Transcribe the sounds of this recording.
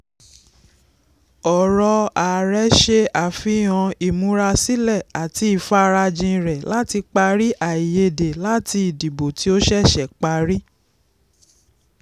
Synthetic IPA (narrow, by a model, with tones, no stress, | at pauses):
ɔ˨ɾɔ˧a˨ɾɛ˨˦ʃe˧a˨fĩ˨˧˦j̃ɔ̃˧i˨mũ˦ɾa˧si˦lɛ˦˨a˨ti˧˦i˨fa˧˦ɾa˧d͡ʒĩ˧ɾɛ˨la˦ti˧k͡pa˧ɾi˦ʔa˨i˨je˧˦de˨la˦ti˧i˨di˨bo˨ti˦o˦ʃɛ˦˨ʃɛ˨k͡pa˧ɾi˦